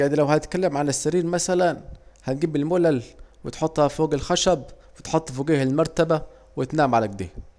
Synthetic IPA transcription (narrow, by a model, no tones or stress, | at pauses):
jaʕnilæwhæt̪̚kælːemʕanæsːæɾiːɾmæsælænhænɡiːbɪlmolælwet̪ħot̪ˤːhæfoːɡælxæʃæb̚ | wet̪ħot̪ˤːfoːɡiːhelmɑɾˤt̪æbæ | wet̪naːmʕalæk̚d̪ḛː